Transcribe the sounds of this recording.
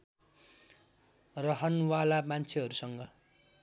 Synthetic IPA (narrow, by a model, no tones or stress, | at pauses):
rʌɦʌnwalamant͡sʰeɦʌɾusʌŋɡʌ